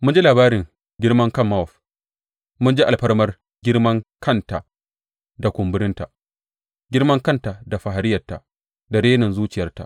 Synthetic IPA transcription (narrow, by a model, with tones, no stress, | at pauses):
mʊ˦nd͡ʒi˦laː˨baː˦ɾɪ˨ŋ | ɡʲɪ˦rmɐ˦ŋkɐ˦mːa˦ɔ˨ɸ | mʊ˦nd͡ʒi˦ʔa˨lɸɐ˦ɽmɐ˦r | ɡʲɪ˦ɽmɐ˦ŋkʰɐ˦˨nta˨ | da˨kʷʊ˨mbʊ˦ɾɪ˦nta˨ | ɡʲɪ˦ɾmɐ˦ŋkɐ˦nta˨da˨ɸa˨ɦa˨ɾɪ˦jɐ˨tːa̰˨ | da˨ɾeː˦nɐ˨nzuː˦t͡ʃɪ˨jɐ˦rta̰˨ʔ